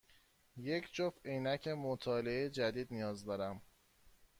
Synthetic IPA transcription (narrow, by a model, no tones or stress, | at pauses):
je̞cʰd͡ʒofejnæcʰemot̪ʰɒːleejd͡ʒæd̪iːd̪nijɒːzd̪ɒːɾæm